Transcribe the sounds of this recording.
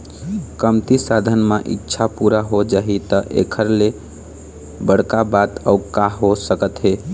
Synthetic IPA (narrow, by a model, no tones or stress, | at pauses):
kəmt̪isad̪ʱənmeʔḭtːʃʰapuɾaɦod͡ʒaɦit̪əʔḛkʰəɾle | bəɽkabat̪əukaɦosəkət̪ɦe